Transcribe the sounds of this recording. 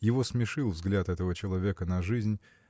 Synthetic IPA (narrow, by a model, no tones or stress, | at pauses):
jɪvo̞smʲɪʂɨlˠvzɡlʲat̪ɛt̪əvət͡ɕɪlˠɐvʲe̞kənɐʐɨzʲnʲ